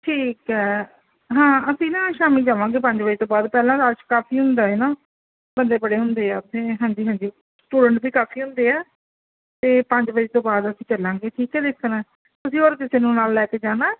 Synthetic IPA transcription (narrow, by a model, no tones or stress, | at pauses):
ʈʰiːkɦɛː | ɦãːəsĩːnãːʃaːmiːd͡ʒaːʋãːɡeːpə̃ɲd͡ʒbəd͡ʒeːt̪õːbaːd̪pɛːlãːd̪aːʃkaːfiːɦʊ̃nd̪aːeːnaː | bənd̪eːpəɽeːɦʊnd̪eːɛːʊt̪ʰːeːɦãːɲd͡ʒiːɦãːɲd͡ʒiː | sʈuːɖəɳʈbiːkaːfʰiːɦʊ̃nd̪eːɛː | t̪eːpə̃ɲd͡ʒbəeːt̪õːbaːd̪əsĩːt͡ʃəlːãːɡeːʈʰiːkɦɛːd̪ekʰːnɛː | t̪ʊsĩːoːɾkɪseːnũːnaːlːɛːkeːd͡ʒaːnaː